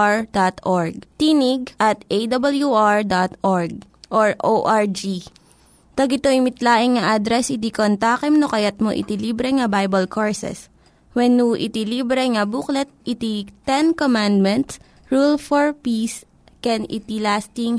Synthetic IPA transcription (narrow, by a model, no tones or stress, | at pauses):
ɹd̪at̪ʔoɹɡ̚t̪iniɡ̚ʔɐt̪̚ʔejd̪ɐbɐljuʔaɹd̪at̪ʔɔɹɡ̚ | ʔoɹʔoʔaɹd͡ʒi | t̪ɐɡɪt̪oɪmɪt̪laːʔɪŋŋɐʔad̪ɾɛsɪt̪̬ikont̪aːkɛmnokɐjɐt̪̚moʔɪ̰t̪iliːbɾɛŋɐbajbɐlkʰoɹsɛ̰s | wɛnːuʔɪ̰t̪iliːbɾɛŋɐbuklɛt̪̚ʔɪt̪it̪ɛnkomand̪mɛnt̪s | ɹulfɔɹpis | kɛnɪ̰t̪ilast̪ɪŋ